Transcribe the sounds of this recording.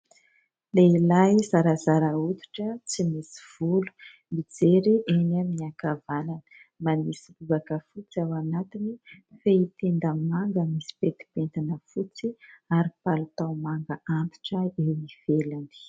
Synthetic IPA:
leilajzaɾazaɾaut̪u̥ʈ͡ʂət͡simisi̥v̥ulu̥ | mid͡zeɾiʔenamiiakavananə̥manisiluvakəfut͡siawanat̪inifeit̪end̪əmaŋɡəmisi̥pet̪i̥pent̪anəfut͡siaɾipalut̪awmaŋɡəʔant̪u̥ʈ͡ʂəeniv̥elani̥

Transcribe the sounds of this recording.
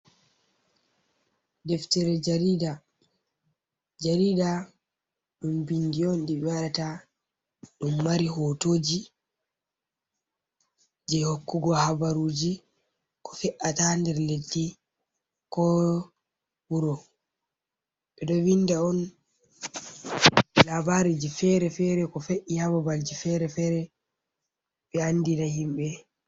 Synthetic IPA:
dɛftɛɾɛd͡ʒaɾida | d͡ʒaɾida | ɗumbindiɔndiɓwaɗata | ɗumːaɾiɦotoːd͡ʒi | d͡ʒɛhokːuɡɔɦabaɾuːd͡ʒi | kɔ̥fɛʔatandɛɾledːi | kɔ | wuɾɔ | ɓɛɗɔwindaɔn | labaɾid͡ʒifɛɾɛfɛɾɛkɔfeʔihababald͡ʒifɛɾɛfɛɾɛ | ɓɛanːdinahimɓɛ

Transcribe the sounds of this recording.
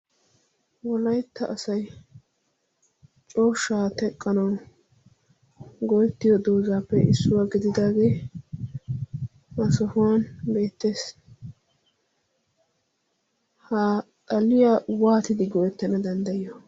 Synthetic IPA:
wɔlɐjt̪ːɐʔɐsɐj | t͡ʃʼo̞ːʃːaːt̪ɛkʼːɐnɐw | ɡɔjt̪ːɪjɔd̪oːzaːpːɛʔɪ̰sːʊwaɡɪd̪ɪd̪aːɡe̞ː | ɐsɔhʊwanbe̞ːt̪ːeːs | hat̪ʼɐlɪjawaːt̪ɪd̪ɪɡɔjɛt̪ːɛnɐd̪ɐnd̪ɐjɔ

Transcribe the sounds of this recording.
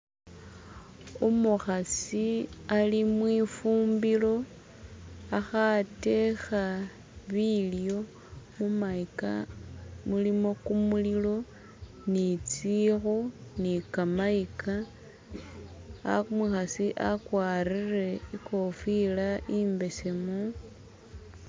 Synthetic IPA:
omuxasialimwiːfuːmbilo̞ | axate̞xa | βiljo̞ | mumaika̰ | mulimo̞kumulilo̞ | nit͡sixonikamaika | a̰muxasiʔakwaːrire̞iko̞filaʔiːmbe̞se̞mu

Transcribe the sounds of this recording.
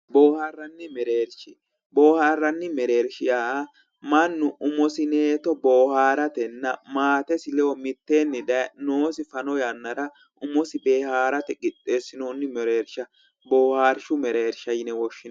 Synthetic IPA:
boːhaːrːɐnːɪmɛɾeːɾʃɪ | bo̞ːhaːrːɐnːɪmɛɾe̞ːɾʃɪjaː | mɐnːʊʔʊmɔsɪneːt̪ɔboːhaːɾɐt̪ɛnːɐmaːt̪ɛsɪlɛɔmɪt̪ːeːnːɪd̪ɐnoːsɪfɐnɔjɐnːɐɾɐ | ʊmɔsɪbeːhaːɾɐt̪ɛɡɪt̪ʼːesːɪnonːɪmɛɾe̞ːɾʃɐ | boːhaːɾʃʊmɛɾeːɾʃɐjɪnɛwɔʃːɪn

